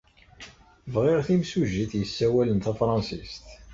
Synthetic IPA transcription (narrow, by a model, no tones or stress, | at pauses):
vʁɪʁθimsuʒiθjəsːæwælənt̪æfɾˤɑnsist̪